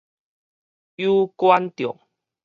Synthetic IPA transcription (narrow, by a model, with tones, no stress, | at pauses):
ju˦kwa˦nt̪jɔ˨˩˨ŋ